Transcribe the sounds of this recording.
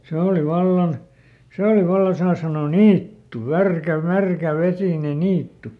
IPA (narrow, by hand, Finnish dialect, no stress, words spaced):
se oˑli ʋɑlːɑn seˑ oli ʋɑlːɑn sɑː sɑnoː niːtːu ʋærkæ mærkæ ʋesiˑne niːtːu